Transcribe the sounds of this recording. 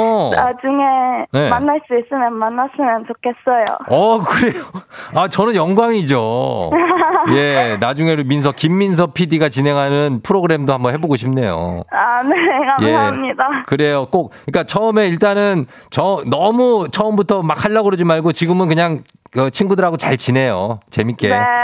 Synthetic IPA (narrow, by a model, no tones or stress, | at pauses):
a̰d͡ʑuŋenemanːaɭs͈uis͈ɯmjʌnmanːas͈ɯmjʌnt͡ɕokʰe̞s͈ʌjo̰ʌkɯɾe̞joat͡ɕʌnɯnjʌŋɡwaŋid͡ʑo | je̞nad͡ʑuŋe̞ɾomins̬ʰʌkimːins̬ʰʌpʰidiɡat͡ɕine̞ŋɦanɯnpʰɯɾoɡɯɾe̞mdohambʌnɦe̞boɡoɕʰimne̞jo̰anekajemɲidakɯɾe̞jok͈ok̚ɯik͈at͡ɕʰʌɯme̞iɭt͈anɯn | t͡ɕʌnʌmut͡ɕʰʌɯmbutʰʌmakʰaɭːaɡɯɾod͡ʑimaɭɡot͡ɕiɡɯmɯnkɯɲaŋ | kɯt͡ɕʰinɡudɯɾɦaɡot͡ɕaɭt͡ɕinɦe̞jo̰t͡ɕe̞mik͈eo